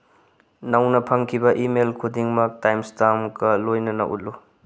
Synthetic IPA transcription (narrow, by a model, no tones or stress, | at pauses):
nɐwnɐpʰɐŋkʰibɐʔimelkʰudiŋmɐk̚tajmstamkɐlojnɐnɐ̰ʔṵt̚lu